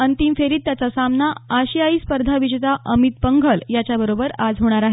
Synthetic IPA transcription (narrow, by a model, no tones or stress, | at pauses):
ənt̪imfeɾiːt̪ːjat͡sasamnaːɕiaispəɾd̪ʱaʋiɕt̪aʔəmit̪̚pəŋɡʱəljat͡ɕjabəɾobəɾad͡zɦoɽ̃aɾaɦe